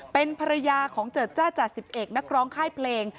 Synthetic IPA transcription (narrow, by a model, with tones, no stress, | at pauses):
pe˧npʰa˧ɾa˧jaː˧kʰɔː˩˦ŋt͡ɕɤː˨˩t̪̚t͡ɕaː˥˩wt͡ɕaː˨˩si˨˩p̚ʔeː˨˩k̚na˦˥k̚ɾɔː˦˥ŋkʰaː˥˩jpʰleː˧ŋ